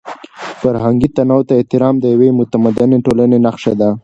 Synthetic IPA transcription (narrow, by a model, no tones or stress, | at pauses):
faɾɦaŋɡit̪anɑwt̪aeht̪ɪɾɑmd̪əjawemʊt̪amad̪ɪneʈolanenaxʂed̪a